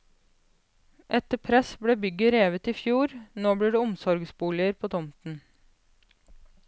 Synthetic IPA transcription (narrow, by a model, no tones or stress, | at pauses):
ʔɛt̪əpʰɾɛsbɽeːbʏɡəɾeːʋət̪iːfjuːɾnoːbliːɖeːʊmsɔɾɡsbuːlɪəɾpʰoːt̪ʰɔmt̪n̩